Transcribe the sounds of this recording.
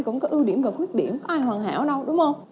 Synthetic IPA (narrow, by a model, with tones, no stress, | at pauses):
jkʊ̰˧˥ŋ͡mkɔ˨˦ʔi˧wɗi˧˩əmvaː˨˩xwi˦˥t̚ɗḭ˧˩əmkɔ˨˦ʔaː˧jhwaː˨˩nɦa̰ː˧˥wɗə˧wɗʊ˨˦ŋ͡mhə˧wŋ͡m